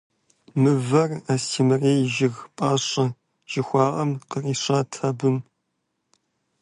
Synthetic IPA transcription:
mɨvɐrastʰiːmɐreːjʒɪɣpʼaːɕʼɐ | ʒ̥ɪxʷɑːʔʼɐmqəriːɕʼɐːtʰɐbɨm

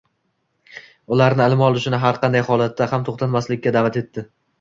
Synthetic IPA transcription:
ʊlaɾnɪɪlɪmɒlˠʊʃɪnɪɦaɾqɑnd̪ajhɒlˠat̪ːahamt̪ʰoχt̪ʰat̪maslɪkʲːad̪avat̪e̞t̪ʰːɪ

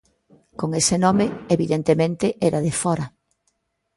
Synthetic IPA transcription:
koŋesɪnɔmeeβiðent̪emẽnt̪ɪʔɛɾaðɪfɔɾɐ

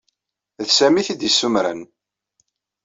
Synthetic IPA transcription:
ðsæmiθid̪əsːumɾə̰n

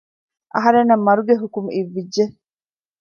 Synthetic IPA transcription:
ʔɐ̰ɦɐɾenːɐmːɐɾuɡeɦukumiʋːid͡ʒːe

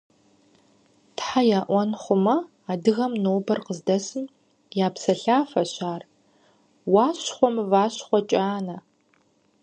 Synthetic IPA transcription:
tħajaːʔʷɔnχʷʊmɐ | aːdɨɣɐmnoːbɐrqəzdɐsɨm | jaːpsɐɬaːfɐɕaːr | waːɕχʷɔmvaːɕχʷɔt͡ʃʼaːnɐ

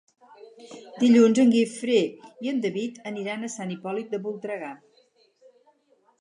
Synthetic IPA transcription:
d̪iʎunzəŋɡifɾeiənd̪əβit̪əniɾanəsanipɔlit̪̚d̪əβulˠt̪ɾəɣa

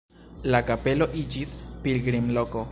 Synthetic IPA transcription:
lakape̞lo̞ʔid͡ʒispilɡɾimlo̞ko̞

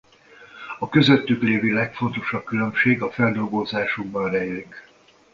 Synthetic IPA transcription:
ɒkø̞zøt̪ːykleːvilɛkfo̞nt̪o̞ʃɒp̚kylø̞mʃeːɡɒfɛld̪o̞lɡozaːʃuɡ̚bɒnrɛjlik

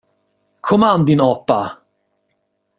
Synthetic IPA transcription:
kʰɔmand̪inɔpːa

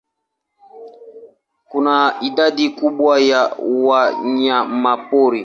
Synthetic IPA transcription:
kunaidadikuɓwajawaɲamapoɾi

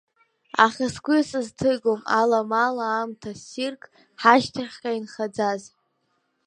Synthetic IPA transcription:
a̰χʲaskʷʼusɨztʰɨɡomalamalaːmtʰasirkʼ | ħaʃtʰaχʲkʲʼainχad͡zaz

